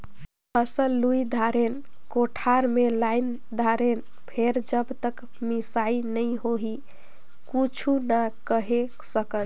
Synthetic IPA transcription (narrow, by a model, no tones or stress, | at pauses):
pʰəsəlːuid̪ʱaɾen | koʈʰaɾmelajn | d̪ʱaɾen | pʰeɾd͡ʒəbt̪ək | misainəjɦoɦi | kut͡ʃʰunakəɦeksəkən